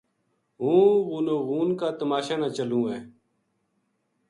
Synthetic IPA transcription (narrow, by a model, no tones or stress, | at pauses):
ɦũːɣuːnoːɣuːnkaːt̪əmaːʃaːnãːt͡ʃəlũːɛː